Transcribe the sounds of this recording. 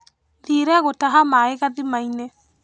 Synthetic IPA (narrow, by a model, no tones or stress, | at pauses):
ðiːɾɛɣotaɦamaeɣaðimainɛ